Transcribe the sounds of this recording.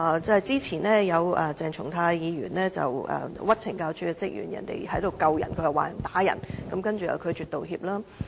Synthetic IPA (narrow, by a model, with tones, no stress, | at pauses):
t͡sɐ˧hɐ˨˩jt͡siː˥t͡sʰiː˨˩nɛː˥jɐ˨˧wɛ˨t͡sɛː˨˩ŋt͡ʃʰʊ˨˩ŋt̪ʰaː˧jjiː˨˧jyː˨˩nlɛː˥t͡sɐ̰˨wɐ̰ː˨˩wɐ˥t̚t͡sʰɪ˨˩ŋkaː˧wt͡ʃʰyː˨˥kɛ˧t͡sɪ˥k̚jy̰ː˨˩njɐ̰˨˩nt̪ḛ˨jhɐ˨˥jt̪o˨wkɐ˨wjɐ˨˩nkʰɵ˧jɐ˨˩waː˨˩jɐ˨˩nt̪aː˨˥jɐ̰˨˩nkɐ˨˥mkɐ˥nt͡ʃy˨jɐ̰˨˩wkʰɵ˨˧ɥt͡ʃyː˨t̪o˨whiː˧p̚laː˥